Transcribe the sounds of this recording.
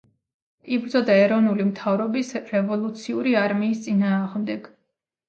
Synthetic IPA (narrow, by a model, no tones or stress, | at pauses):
ibɾd̪zɔd̪aɛɾɔvnulimt̪ʰavɾɔbisɾɛvɔlˠut̪sʰiuɾiaɾmiːst̪sʼinaːʁmd̪ɛɡ̥